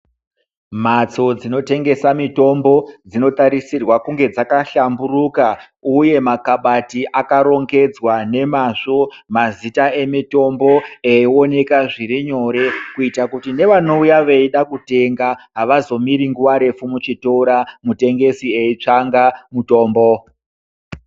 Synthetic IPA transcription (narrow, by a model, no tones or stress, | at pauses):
mat͡so̞d͡zino̞te̞ŋɡe̞samito̞mbo̞d͡zino̞t̪aɾisirwakuŋɡe̞d͡zakaɬamburuka | uje̞makaɓatiʔakaɾo̞ŋɡe̞d͡zwane̞maʂo | mazitae̞mito̞mbo̞eio̞ne̞kaʐiɾiɲo̞ɾe̞kuitakutine̞ʋano̞ujaʋeiɗakute̞ŋɡaɦaʋazo̞miɾiŋɡuʋaɾe̞fumut͡ʃitoɾamute̞ŋɡe̞sieit͡ʂaŋɡamuto̞ːmbo